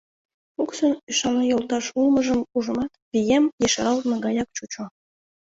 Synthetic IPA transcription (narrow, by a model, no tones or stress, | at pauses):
puksonyʃɑnɑjolˠt̪ɑʃulˠmɤ̆ʒə̆muʒə̆mɑt̪βʲijemjeʃɑɾɑlt̪nɤ̆ɡɑjɑkt͡ɕut͡ɕo